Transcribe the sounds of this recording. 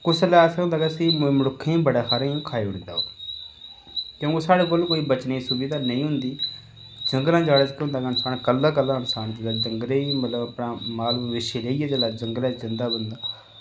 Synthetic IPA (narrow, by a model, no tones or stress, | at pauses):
kʊslɛːɛːsaɦʊ̃nd̪aːɡɛːsiːmmɽʊkʰːẽbəɽaːxʰaːɾãːkʰaːeʊɽd̪a̰ːo̰ː | kjõːkeːsaːɽeːkoːlkoːiːbət͡ʃniːsubɪd̪aːnəĩːɦʊnd̪iː | d͡ʒəŋɡlãːd͡ʒaːɽaːd͡ʒkeɦʊ̃nd̪aːɡɛənsaːnkəlːaːkəlːaːənsaːnd͡ʒɪaːd͡ʒəŋɡleːimət̪ləbəpɽãːmaːlːʋɪʃeːleːiːɛːd͡ʒəːlaːd͡ʒəŋɡlãːzɪnd̪aːbənd̪aː